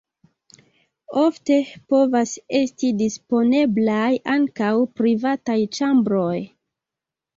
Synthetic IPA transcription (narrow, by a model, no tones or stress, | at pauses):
o̞fte̞po̞vase̞stidispo̞ne̞blajaŋkawpɾivatajt͡ʃambɾo̞j